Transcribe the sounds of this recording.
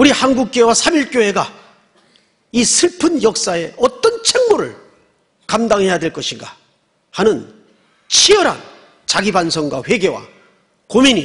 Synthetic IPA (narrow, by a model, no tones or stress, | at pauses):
uɾihanɡuk̚k͈joewasʰamiɭk͈joɦe̞ɡa | isʰɯɭpʰɯnjʌk̚s͈ae̞ʌt͈ʌnt͡ɕʰe̞ŋmoɾɯ̰ɭ | kamdaŋɦe̞jadwe̞ɭk͈ʌɕʰiŋɡa̰ | hanɯn | t͡ɕʰijʌɾa̰n | t͡ɕaɡibansʰʌŋɡwa̰ɸwe̞ɡe̞wa̰ | komiɲi